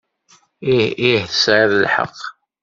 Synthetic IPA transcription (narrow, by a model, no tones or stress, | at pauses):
ihθəsʕɪɾəlħə̰qː